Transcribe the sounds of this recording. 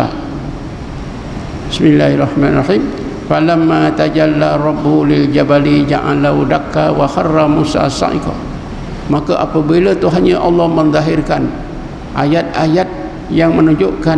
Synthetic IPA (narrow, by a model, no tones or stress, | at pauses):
a̰ | bɪsmilːaharɑħmanrɑħim | falamːat̪ad͡ʒalːaɾˤɔbːulid͡ʒabalid͡ʒa̰ʔa̰laɦudakːawaxarːamusa̰asa̰ʔḭkɔ̰ | makəʔapəbilət̪uɦaɲəʔɑ̰lːɔhmənd̪ˤaɦirkan | ʔajat̪̚ajat̪̚ | jaŋmənuɲd͡ʒoʔka